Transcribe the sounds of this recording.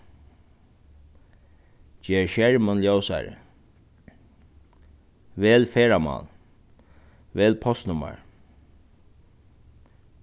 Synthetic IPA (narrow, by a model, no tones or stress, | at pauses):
t͡ʃɛːɹʃjɛɹmɔnljoːwsa̰ɹə̰ | ʋɛːlfɛːɹamɑ̰ːl | ʋɛːlpʰɔst̪nʊma̰ɹ